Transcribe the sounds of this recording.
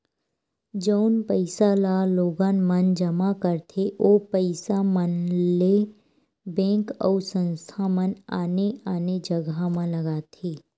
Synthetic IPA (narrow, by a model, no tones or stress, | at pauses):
d͡ʒəʊnpəɪsalaːloːɡaːnmənd͡ʒəmakəɾt̪ʰeʔoːpəɪsamənle | bɛ̃ːŋkɔ̰ːɾsə̃nst̪ʰaməna̰ːneaːned͡ʒəɡamãlɐɡaːt̪ʰeː